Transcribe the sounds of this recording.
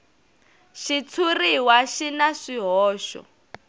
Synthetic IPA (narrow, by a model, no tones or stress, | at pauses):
ʃit͡sʰuriwaʃinaʂiɦɔːʃɔ̰